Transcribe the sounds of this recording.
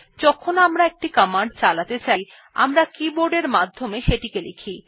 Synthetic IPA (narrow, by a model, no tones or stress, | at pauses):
d͡ʑɔkʰonamɾaek̚ʈikamaɳɖ̚t͡ɕalat̪et͡ɕaj | a̰mɾakiboɾɖeɾmad̪ʱːomeʃeʈikelekʰi